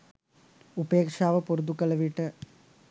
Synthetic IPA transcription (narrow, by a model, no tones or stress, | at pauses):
ubeːkʂaːʋɐpuɾud̪ukːɐlɐʋiʈːɨ